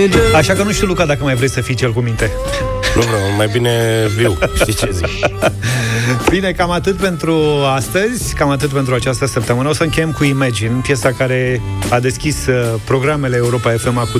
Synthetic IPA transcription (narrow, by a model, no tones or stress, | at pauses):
aʃakənuʃt̪ilukad̪akəmajvɾesəfijt͡ʃelkumint̪e̞ | nuvɾomajbineviwʃit͡ʃezik | b̥ine̞kamat̪ɨt̪̚pe̞nt̪ɾuast̪əzʲkamat̪̬ɨt̪̚pe̞nt̪ɾuat͡ʃast̪əsəp̚t̪əmɨnəo̞səɨŋkʲe̞jemkuimad͡ʒinpjesakaɾe̞ | ad̪e̞skʲispɾo̞ɡɾame̞leːuɾo̞pae̞fe̞maku